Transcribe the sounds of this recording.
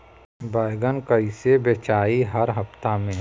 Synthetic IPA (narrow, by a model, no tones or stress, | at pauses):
baːɪɡənkəisebet͡ʃaːiɦɐɾɦɐft̪amẽː